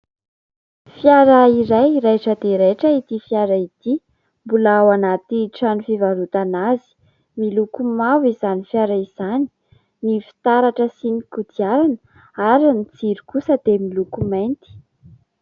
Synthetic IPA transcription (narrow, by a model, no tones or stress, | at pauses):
fjaɾəiɾajɾajʈ͡ʂəd̪eɾeʈ͡ʂəit̪ifijaɾait̪i | mbulaawanat̪iʈ͡ʂanifivaɾut̪anazi̥ | milukumavizanifjaɾaiz̥ani̥ | nifi̥t̪aɾaʈ͡ʂəsinikud̪iaɾanə | aɾinid͡ziɾikusəd̪̥emilukumajnt̪i̥